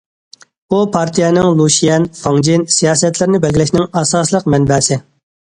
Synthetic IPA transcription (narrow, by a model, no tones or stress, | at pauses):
upʰɑɾt̪ʰijɛnɪŋlˠuʃijɛnfɑŋd͡ʒinsijɑːsɛt̪ʰlɪɾɪnɪbɛlɡʲilɪʃʲnɪŋɑsɑːslˠəq̚mɛnbɛːsɪ